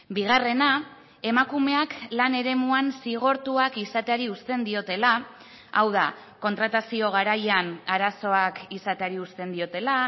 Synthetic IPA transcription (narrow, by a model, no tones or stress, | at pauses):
biɣ̞are̞na | e̞makume̞aklane̞ɾe̞muansiɣ̞o̞ɾt̪uakisat̪e̞aɾiust̪e̞nd̪io̞t̪e̞la | awða | ko̞nt̪ɾat̪asio̞ɣ̞aɾajanaɾaso̞akisat̪e̞aɾiust̪e̞nd̪io̞t̪e̞la